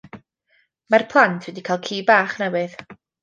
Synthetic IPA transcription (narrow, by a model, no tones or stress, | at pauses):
marpʰlˠantʰwɛdikʰaːlˠkʰiːbaːχnɛwɨð̥